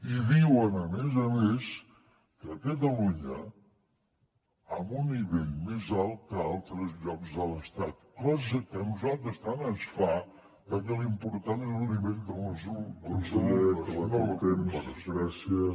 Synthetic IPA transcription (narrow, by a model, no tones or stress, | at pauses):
iðiwənəmezəmes | kəkət̪̬əluɲə | əmbunːiβɛʎmezalˠt̪̚kəalˠt̪ɾəzʎɔkzðələst̪at̪klazəkənuzalˠt̪ɾəst̪anansfa | kəkɛlimpuɾt̪anelˠniβɛʎd̪ələzud̪əsəlɛklnɔt̪ɛməɾəzɾɛsjə